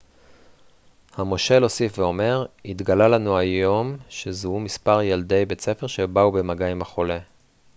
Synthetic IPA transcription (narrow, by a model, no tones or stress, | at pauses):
hamo̞ʃe̞lo̞sifveo̞me̞ʁit̪ɡalalanuajo̞mʃezuumispaʁjald̪e̞jbe̞t͡se̞fe̞ʁʃebaube̞maɡaimhaχo̞le̞